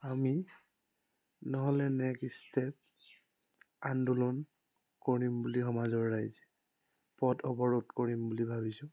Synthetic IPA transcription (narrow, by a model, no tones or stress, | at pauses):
ami | nɔɦɔlɛnɛkstɛp̚ | andulɔn | koɹimbulixɔmazɔɹːajz | pɔtʰɔbɔɹodkoɹimbulibʱabisʊ̃